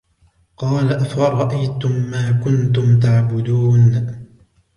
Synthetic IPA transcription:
qɑːlaʔafaɾˤɑʔajt̪ʊmːaːkʊnt̪ʊmt̪aʕbʊd̪uːn

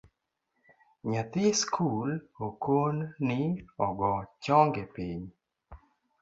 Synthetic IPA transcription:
ɲat̪ɪskʰulokonnɪɔɡɔt͡ʃɔŋɡepiɲ

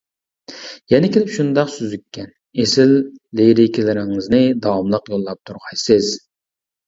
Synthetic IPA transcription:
jɛnɪkʲiɪlɪpʃund̪ɑqsyzykʲʰːɛn | esɪlːejɾɪkʲilɪɾɪŋɨznɪd̪ɑwɑmlˠəqjolˠːɑp̚t̪ʰuɾʁɑesɪz̥

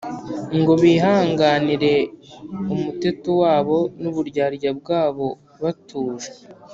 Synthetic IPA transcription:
ŋɡo̞βiːɦaːŋɡaːniɾe̞ | umute̞tuwaːβo̞nuβuɾɟaːɾɟabɡaːβo̞ | βatuːʒe̥

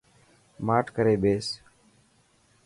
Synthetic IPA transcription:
maːʈkəɾeːɓeːs

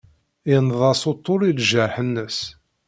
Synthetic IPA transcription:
ɪnðˤɑsot̪ˤːoɾilʒəɾħənːəs

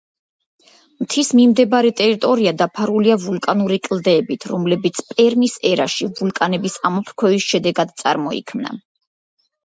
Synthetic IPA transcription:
mt̪ʰismimd̪ɛbaɾɛt̪ʼɛɾit̪ʼɔɾiad̪apʰaɾuliavulˠkʼanuɾikʼld̪ɛːbit̪ʰɾɔmlɛbit̪sʰpʼɛɾmisɛɾa̰ʃivulˠkʼanɛbisamɔpʰɾkʰwɛvisʃɛd̪ɛɡad̪t̪sʼa̰ɾmɔḭkʰmna̰

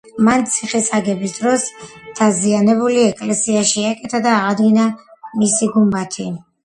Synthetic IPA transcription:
mant̪sʰiχisaɡɛbisd̪ɾɔsd̪̥ʰazianɛbuliɛkʼlɛsiaʃiakʼɛt̪ʰad̪aːʁad̪ɡinamisiɡumbat̪ʰi

